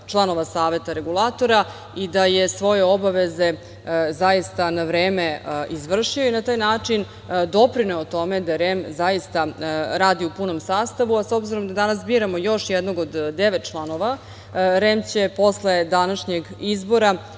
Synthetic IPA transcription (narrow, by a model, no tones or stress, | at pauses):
t͡ʃlˠano̞ʋasaːʋe̞t̪aɾe̞ɡulˠat̪o̞ɾa | id̪ajesʋo̞jeobaʋe̞ze̞ | zajist̪anaʋɾeːme̞izʋr̩ʂio̞inat̪aːjnaːt͡ʂin | d̪o̞pɾineot̪o̞med̪aɾemzajist̪aɾaːd̪iupunomsaːst̪aʋuaso̞bziɾo̞md̪ad̪anasbiːɾamo̞jo̞ʃjɛd̪noɡod̪d̪eʋet̪̚t͡ʂlˠano̞ʋa | ɾeːmt͡ɕepo̞sled̪anaʃɲeɡizbo̞ɾa